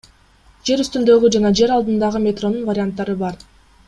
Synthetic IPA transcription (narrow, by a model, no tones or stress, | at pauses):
d͡ʒe̞ɾyst̪ynd̪ø̞ɡyd͡ʒɑnɑd͡ʒe̞ɾɑlˠd̪ɯnd̪ɑʁɯmʲet̪ro̞nːunvaɾʲɪant̪ːɑɾɯbɑɾ